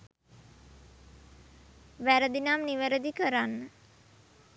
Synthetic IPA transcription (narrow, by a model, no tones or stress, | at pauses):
ʋæɾəd̪inamniʋəɾəd̪ikəɾanːə